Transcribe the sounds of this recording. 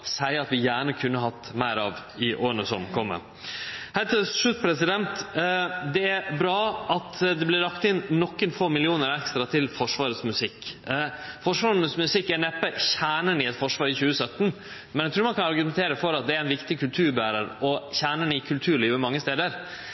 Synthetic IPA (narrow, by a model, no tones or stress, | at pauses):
sæɪɑt̪ʋɪjæːɳəkʰʉnːəɦɑt̪ːmæɪɾɑʋ | ɪʔoːɾənəsɔmkʰɔmːə̰ | hæt̪ʰɪlsʂʉt̪̚pʰɾɛsɪd̪ɛnt̪ | d̪ɛæɾbɾɑːɑt̪d̪ɛblɪɾɑkt̪ɪnnɔkːənfoːmɪlɪuːnəɾɛkst̪ɾɑt̪ʰɪlfɔʂʋɑːɾət̪smʉsɪkː | fɔʂʋɑːɾnəsmʉsɪkːæɳɛpːəçæːɳənɪɛt̪fɔʂʋɑːɾɪçʉːəsœt̪ːn̩ | mɛnæt̪ɾuːɾmɑnkʰɑnɑɾɡʉmɛnt̪ʰeːɾəfɔɾɑt̪̚d̪ɛæɾæɪnʋɪkt̪ɪkʰʉlt̪ʰʉːɾbæːɾəɾɔçæːɳənɪkʰʉlt̪ʰʉːɾɭiːʋəmɑŋːəst̪eːd̪əɾ